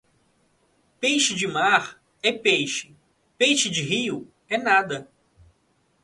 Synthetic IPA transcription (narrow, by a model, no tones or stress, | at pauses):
pejʃɪd͡ʒɪmaɾ | ɛpejʃɪ̥ | pejʃɪd͡ʒɪɦiʊ | ɛnad̪ɐ